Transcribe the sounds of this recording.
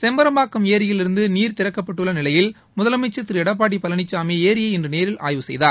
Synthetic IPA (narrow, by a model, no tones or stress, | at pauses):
sɛmbɐɾɐmbaːkːɯmeːɾɪjɪlɪɾɯnd̪ɯniːɾt̪ɪɾɐkːɐpːɐʈːɯɭːɐnɪlɐjɪl | mʊðɐlɐmɐt͡ʃːɐt̪ːɪɾɯɛɽɐp̬ːaːʈ̬ːipːɐlɐɳɪt͡ʃːaːmeːeːɾɪjɐɛndrɯneːɾɪlʔa̰ːjʋɯsɛ̰jðaːɾ